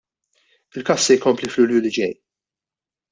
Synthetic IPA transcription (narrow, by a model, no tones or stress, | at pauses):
ɪlkɐsːɛjkɔmpliflʊljulɪd͡ʒɛj